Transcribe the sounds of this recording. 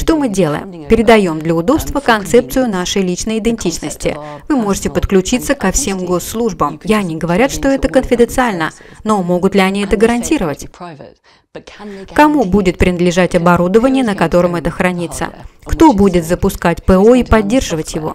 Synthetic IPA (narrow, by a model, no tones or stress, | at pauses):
ʂt̪o̞mɨdʲe̞lˠə̰jɪ̰mpʲɪɾʲɪd̪ɐjo̞md̪lʲəʊd̪o̞pst̪vəkɐnt̪sɛp̚t̪sɨjʊnaʂəjlʲit͡ɕnəjɪd̪ɪnʲtʲit͡ɕnəsʲtʲɪ̰vɨmo̞ʐɨtʲɪpət̪klʲʉt͡ɕit̪səkɐfsʲe̞mɡo̞sːlˠuʐbəmjɪɐnʲiɡəvɐɾʲat̪ʂt̪o̞ɛt̪əkənfʲɪd̪ənt̪sɨalʲnəno̞mo̞ɡʊt̪lʲɪɐnʲiɛt̪əɡəɾɐnʲtʲiɾəvətʲ | kɐmubudʲɪt̪̚pɾʲɪnəd̪lʲɪʐatʲɐbɐɾud̪əvənʲɪjənəkɐt̪o̞ɾɨmɛt̪əxɾɐnʲit̪sːə̰kt̪o̞budʲɪt̪zəpʊskatʲpɛoipɐdʲːe̞rʐɨvətʲjɪvo̞̰